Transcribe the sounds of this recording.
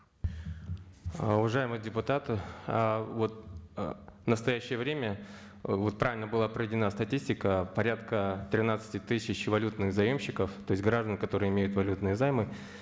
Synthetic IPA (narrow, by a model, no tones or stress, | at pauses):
ʊvɐʐajɪmɨjədʲɪpʊt̪at̪ɨ | vo̞t̪̚ | nəst̪ɐjæɕːɪjəvɾʲemʲə | vo̞t̪̚pɾavʲɪlʲnəbɨlˠapɾəvʲɪdʲɪnast̪ɐtʲisʲtʲɪkəpɐɾʲat̪kət̪ɾʲɪnat̪sɨ̥tʲɪt̪ɨsʲːɪt͡ɕvɐlʲut̪nɨxzɐjo̞mɕːɪkəft̪o̞jɪsʲɡɾaʐd̪ənkɐt̪o̞ɾɨjəɪmʲejʊt̪vɐlʲut̪nɨjəzajmɨ